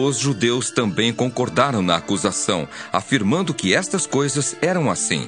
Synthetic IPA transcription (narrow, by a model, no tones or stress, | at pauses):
ʊzʒud̪ewst̪ɐ̃mbẽj̃kõkoɾd̪aɾɐ̃w̃nɐakuzasɐ̰̃w̃a̰fiɾmɐ̃nd̪ʊkɪɛst̪ɐskojzɐzɛɾɐ̃w̃asḭ̃